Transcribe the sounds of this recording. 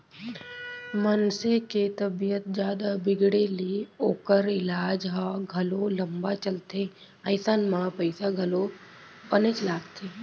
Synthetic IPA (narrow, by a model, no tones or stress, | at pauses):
mənseket̪ɐbijət̪̚d͡ʒjaːd̪abɪɡɽelioːkəɾɪlaːd͡ʒɦaɡʱɐlolɐmbat͡ʃəlt̪e | ɐɪsaːnmãpəɪsaɡʱɐlo | pənət͡ʃlaːɡt̪ʰeː